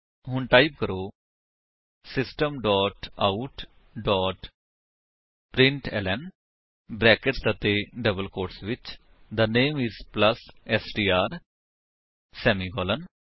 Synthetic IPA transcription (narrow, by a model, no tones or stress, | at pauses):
ɦʊɳʈaːib̚kəɾoː | sɪsʈəmɖɔːʈauʈ | ɖɔːʈ | pɾɪ̃ɳʈɛ̰lɛn | bɾɛːkəʈsət̪eːɖəbəlkoːɾʈsʋɪt͡ʃ | d̪əneːmɪzpləsɛsɖiːaːɾ | sɛːmiːɡɔːlən